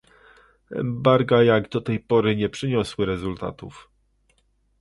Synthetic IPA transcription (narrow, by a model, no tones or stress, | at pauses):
ɛ̰mbaɾɡajaɡd̪ɔt̪ɛjpɔɾɘɲɛpʂɘɲɔswɘɾɛzult̪a̰t̪ṵf